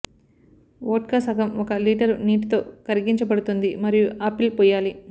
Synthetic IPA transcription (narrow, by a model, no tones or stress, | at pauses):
oːʈkɐːsɐɡɐmɔkɐliːʈɐɾniːʈt̪o̞ːkɐɾiɡiɲt͡ʃɐbɐɽut̪und̪imɐɾijuʔɐpilpɔːjaːli